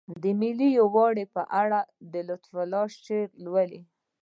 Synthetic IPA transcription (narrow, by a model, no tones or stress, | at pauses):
d̪əmilijowɑɽepəʔaɽad̪əlʊt̪falɑʃʈeɾlwəli